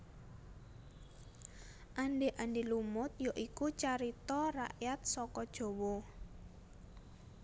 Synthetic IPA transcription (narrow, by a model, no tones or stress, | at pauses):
ʔanɖeʔanɖelumʊt̪̚joʔikut͡ʃaɾit̪ɔra̰ʔjat̪̚sɔkɔd̥ʒ̥o̤wɔ